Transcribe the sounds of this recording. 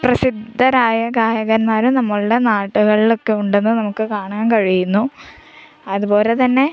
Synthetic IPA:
prɐsid̪ʱːɐɾaːjɐɡaːjɐɣɐnmaːɾunɐmːɐɭuɽe̞naːʈːuɣɐɭilo̞kːe̞uɳɖe̞nːɨnɐmukːɨkaːɳaːnkɐɻijunːu | ɐðubo̞ːle̞t̪ɐnːe̞

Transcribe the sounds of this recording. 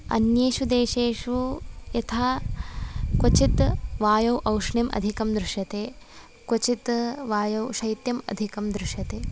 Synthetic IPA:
ɐ̰njeːʃud̪eːʃeːʂujɐt̪ʰaː | kot͡ʃit̪ʋaːjɐwʔɐwʂɳjɐmʔɐ̰d̪ʱikɐmd̪ɾɪʃjɐt̪eː | kwot͡ʃit̪ʋaːjɐwʃɐjt̪jɐmɐ̰d̪ʱikɐmd̪ɾɪʂjɐt̪eː

